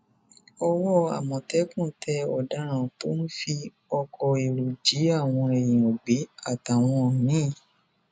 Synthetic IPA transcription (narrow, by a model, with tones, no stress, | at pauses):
ɔ˧wɔ˦a̰˨mɔ̃˨tɛ˨˦kũ˦˨˦tʰɛ˧ɔ˨da˨˦ɾ̃ã˨to˦n̩˦fi˧ | ɔ˧kʰɔ˧e˨ɾu˨d͡ʒi˨˦a˦˨w̃ɔ̃˧e˨jĩ˨o˨ɡ͡be˨˦a˦˨ta˨w̃ɔ̃˧˨nĩ˦˨